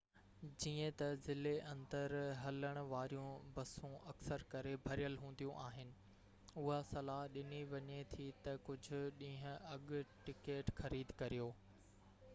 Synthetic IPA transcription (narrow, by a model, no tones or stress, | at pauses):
d͡ʑiːə̃t̪ɐzɪleʔɐ̃nd̪əɾɦɐləɽ̃ʊ̆ʋaːɾijũbɐsũɐksəɾkɐɾebʱɐɾijəlɦũːnd̪ijũʔaːɦɪnɪ̆ | ʊɦasɐlaːɦɗɪniʋɐɲet̪ʰit̪ɐkʊd͡ʑʱʊ̆ɗĩːɦʊ̃̆ɐɠʈɪkeːʈxɐɾiːd̪kɐɾijoː